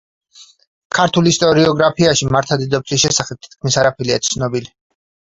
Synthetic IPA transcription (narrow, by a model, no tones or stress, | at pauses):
kʰaɾt̪ʰulist̪ʼɔɾiɔɡɾapʰiaʃimaɾt̪ʰad̪id̪ɔp̚t̪sʰisʃɛsaχɛb̚t̪ʰi̥t̪̚kʰmisaɾapʰɛliat̪sʰnɔbili